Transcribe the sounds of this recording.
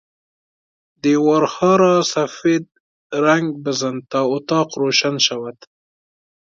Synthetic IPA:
d̪ewɑɾxɑɾɑsafed̪̚ | ɾaŋɡbəzənt̪ɑʊt̪ɑqɾoʃanʃawat̪

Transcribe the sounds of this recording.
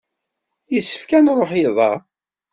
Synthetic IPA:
jəsːə̥fkænɾˤoħjiðˤɑ̰

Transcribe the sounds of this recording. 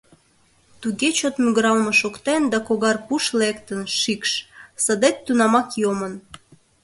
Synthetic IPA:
t̪uɣet͡ɕot̪myɣəɾɑlməʃokt̪end̪ɑkoɣɑrpuʃlekt̪ənʃikʃsəd̪et̪ːunɑmɑkjomən

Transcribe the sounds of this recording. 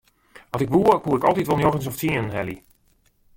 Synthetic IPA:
ʋɑntɪkʋuəkuəɪkɔlˠtitʋolˠnjoxəns̬ɔftiənənɦɛlḭ

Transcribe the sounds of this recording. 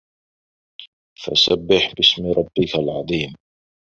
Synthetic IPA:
fa̰sabːɪħbɪsmɾˤɑbːɪkalʕɑðˤiːm

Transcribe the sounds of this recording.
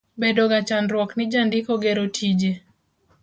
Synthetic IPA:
bɛdɔɡat͡ʃanɾwɔknɪd͡ʒandɪkɔɡɛɾotʰid͡ʒe

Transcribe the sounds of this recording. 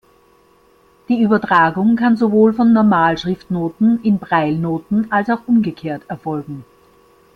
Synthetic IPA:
d̥iːyːbɐtʁ̥aːɡʊŋkʰanzovoːlfɔnːɔɐmaːlʃʁ̥ɪftnoːtn̩ɪnbʁaɪlnoːtn̩alsaʊxʔʊmɡəkʰeːɐtɛɐfɔlɡŋ̩

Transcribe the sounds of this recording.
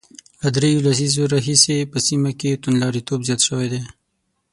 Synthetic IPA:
lad̪ɾejolas̬izoɾɑɦisepəsimaket̪unlɑɾit̪obzjɑt̪ʃəwed̪e

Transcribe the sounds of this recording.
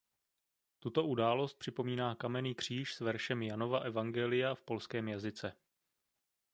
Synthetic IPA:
t̪ut̪o̞ʔudaːlo̞st̪̚pr̥ɪpo̞miːnaːkamɛniːkr̝̥iːʃsvɛɾʃɛmjano̞vaʔɛvaŋɡɛlɪjafpo̞lskɛːmjazɪt͡sɛ

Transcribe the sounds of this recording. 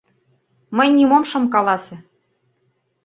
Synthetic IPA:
mə̆jnʲimomʃɤ̆mkɑlˠɑsʲĕ

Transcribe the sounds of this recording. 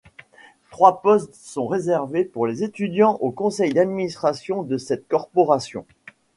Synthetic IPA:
t̪χwapɔst̪sɔ̃ʁezɛʁvepuʁlezet̪yd̪jɑ̃ʔokɔ̃sɛjd̪ad̪minist̪χasjɔ̃d̪əsɛt̪kɔʁpɔʁasjɔ̰̃

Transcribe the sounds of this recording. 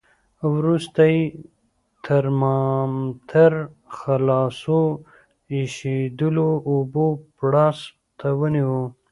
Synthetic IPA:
wɾust̪aj | t̪ʰəɾmɑmt̪ʰaɾxalɑso | iʃed̪əloːbopɽɑs | t̪ʰawəniwu

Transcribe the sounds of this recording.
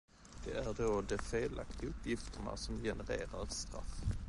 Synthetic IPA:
d̪̥ɛæɖod̪ɛfeːla̰kt̪ɪɵpʰːjɪft̪əɳa̰sɔmjɛnəɾḛːɾaɾst̪ɾa̰f

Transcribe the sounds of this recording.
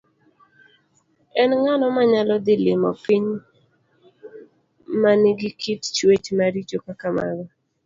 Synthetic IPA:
ɛnŋanɔmaɲalɔd̪ɪlɪmɔpiɲ | manɪɡɪkʰitt͡ʃwet͡ʃmaɾit͡ʃokakama̰ɡɔ

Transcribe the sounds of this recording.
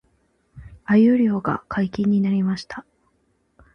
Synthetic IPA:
ajɯɾʲo̞ːɡa̰kʰaikʲĩɲ̟ːinaɾʲimaɕi̥t̪ʰḁ

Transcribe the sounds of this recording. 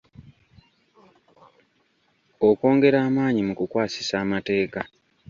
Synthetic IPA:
oko̞ːŋɡe̞ɾaːmaːɲimukukwaːsi̥saːmate̞ːka

